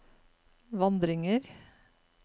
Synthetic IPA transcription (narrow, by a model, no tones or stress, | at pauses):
ʋɑnd̪ɾɪŋəɾ